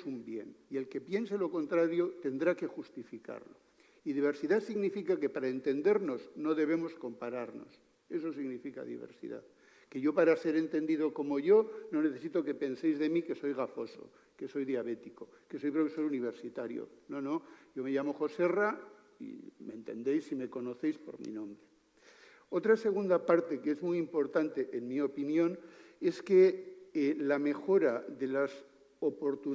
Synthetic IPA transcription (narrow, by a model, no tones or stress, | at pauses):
sumbje̞nie̞lke̞pje̞nse̞lo̞ko̞nt̪ɾaɾjo̞t̪e̞nd̪ɾake̞xust̪ifika̰ɾlo̞̰ | iðiβ̞e̞ɾsiðaθsiɣnifikake̞paɾaent̪e̞nd̪e̞ɾno̞zno̞ðe̞β̞e̞mo̞sko̞mpaɾaɾno̰s | e̞so̞s̬iɣnifika̰ðḭβḛɾsḭða̰θ | ke̞ʝo̞paɾase̞ɾe̞nt̪e̞nd̪iðo̞ko̞mo̞ʝo̞no̞ne̞θe̞sit̪o̞ke̞pe̞nse̞jzðe̞mike̞so̞jɣafo̞so̞̰ | ke̞so̞jðjaβe̞t̪iko̞ | ke̞so̞jpɾokeso̞juniβ̞e̞ɾsit̪aɾjo̰no̞nõ̞ʝo̞me̞ʝamo̞xo̞se̞ra | ḭmẽ̞̰nt̪e̞̰nd̪ejsime̞ko̞no̞θe̞jspo̞̰ɾmḭnõ̞mbɾe | o̞t̪ɾase̞ɣ̞und̪apaɾt̪e̞kezmujimpo̞ɾt̪ant̪e̞ʔenmio̞pinjõ̞ne̞ske̞ | lame̞xo̞ɾaðe̞las | opo̞ɾt̪u